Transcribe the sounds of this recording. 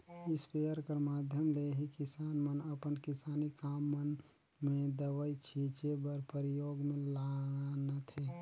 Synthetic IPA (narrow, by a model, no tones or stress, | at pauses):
ɪspejəɾkəɾmaːd̪ʱjəmleɦikɪsaːnmənəpənkɪsaːnikaːmːən | mẽd̪əʋəit͡ʃʰit͡ʃebəɾpəɾɪjoːɡmẽlanət̪ʰɦe